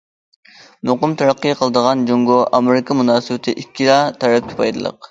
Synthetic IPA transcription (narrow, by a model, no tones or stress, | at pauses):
noqʊmt̪ʰɑɾɑqːɨjqʰəlˠɨd̪əʁɑnd͡ʒoŋɡoʔɑmeɾɪkʰɑmunɑːsɨbɪt̪ʰɪʔikʲʰːiɾɑt̪ʰɑɾɛp̚kʲʰɪ̥pʰɑjd̪ɨlˠə̰q